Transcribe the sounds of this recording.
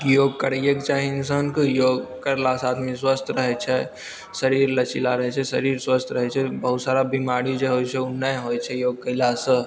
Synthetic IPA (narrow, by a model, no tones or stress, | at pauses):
kijoɡkəɾəjəkt͡ʃaɦinsənkəjoɡkəɾlasat̪miswəst̪ʰɾəɦɛt͡ʃʰɛ | səɾiɾlət͡ʃilaɾəɦɛt͡ʃʰɛsəɾiɾswəst̪ʰɾəɦɛt͡ʃʰɛbəɦut̪saɾabimaɾid͡ʒeɦojt͡ʃʰɛunəɦojt͡ʃʰɛjoɡ̚kəɪlasə